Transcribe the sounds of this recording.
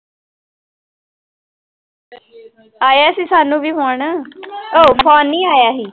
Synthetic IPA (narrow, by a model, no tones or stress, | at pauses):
aːjaːsĩːsaːnũːbʱiːɦoːɳəoːpʰɔːnːĩːaːjaːɦiː